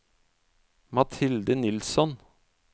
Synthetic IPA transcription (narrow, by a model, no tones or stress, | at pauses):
mɑt̪ʰɪld̪ənɪlsɔn